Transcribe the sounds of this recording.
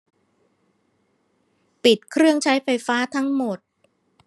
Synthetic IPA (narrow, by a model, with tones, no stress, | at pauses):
pi˨˩t̪̚kʰɾɯ˥˩əŋt͡ɕʰa˦˥jfa˧jfaː˦˥t̪ʰa˦˥ŋmo˨˩t̪̚